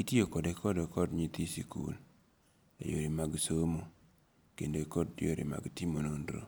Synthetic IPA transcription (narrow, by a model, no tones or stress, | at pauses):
itjokɔdɛkʰɔdɛkɔdɲit̪isikṵl | ḛjo̰ɾimaɡsomo | kendoekɔdjo̰ɾḭma̰ɡtimonondɾo̰